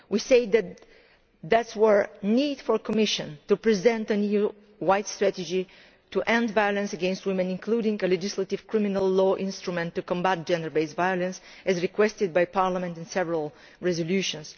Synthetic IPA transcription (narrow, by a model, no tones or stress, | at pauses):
wiseɪðæt̪̚ | ðætswəɹnidfɔɹkɔmɪʃə̃ntupɹizɛ̃nt̪ɨ̃niu | wajtstɹæt̪ɨd͡ʒi | tuʔɛ̃ndvajɔlə̃nsəɡɛ̃nstwɪ̃mɨ̃nɪ̃nkʰluɾɪ̃ŋəlɛd͡ʒɪslat̪ɪv̥kʰɹɪ̃minəlˠːɔʔɪ̃nst̪ɹumɛ̃ntːukɔ̃mbæt̚dd͡ʒɛ̃ndə˞beɪsvajɔlə̃ns | ɨzɹikwɛstɨd̪̚bajpaɹlamɛ̃ntɨ̃nsɛvəɹəlˠ | ɹɛzɔljuʃə̃ns